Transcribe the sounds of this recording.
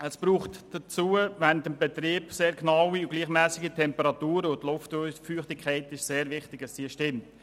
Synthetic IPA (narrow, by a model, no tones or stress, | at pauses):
əspɾuːχtd̥ət͡suːəvɛndəmbɛtɾiːbseːɾknɑwiʊɡ̥liːχmæːsɪɡitʰɛmpəɾɑtuːɾəʊtlʊftfyːχtɪkʰχɛɪtɪʃseːɾvɪχtɪɡəsd̥iːʃtɪmt